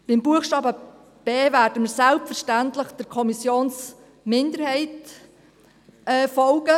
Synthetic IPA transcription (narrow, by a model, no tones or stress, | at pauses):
b̥ɪmbuəxʃtɑːbə | b̥eːvæːɾdəməɾsælpfəɾʃtæntləχd̥əɾkʰɔmisjoːns | mɪndəɾhɛɪt | ɛːfɔlɡə